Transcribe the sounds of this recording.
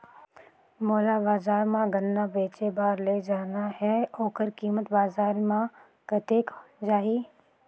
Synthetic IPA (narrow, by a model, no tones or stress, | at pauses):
mɔːlabaːzaːɾmãɡənːabeːt͡ʃebaːɾled͡ʒaːnahɛoːkəɾkiːmət̪baːzaːɾmã | kət̪eːkd͡ʒaːɦiː